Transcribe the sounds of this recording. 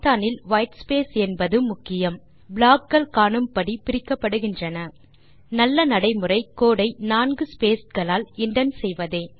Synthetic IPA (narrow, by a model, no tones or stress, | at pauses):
t̪aːnɪlʋɐjʈspeːsɛnbɐðɯmʊkːɪjɐm | bɭaːkɡɐɭkaːɳɯmpɐɽipɪɾɪkːɐpːɐɽɯɣɪndrɐnɐ | nɐlːɐnɐɽɐɪmɯrɐɪkːoːɽɐɪnaːnɡɯspeːsɡɐɭaːlɪɳɖɐnsɛjʋɐðeː